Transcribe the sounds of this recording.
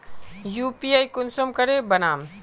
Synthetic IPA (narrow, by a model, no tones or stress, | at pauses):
jupiajkunsomkəɾebənaːm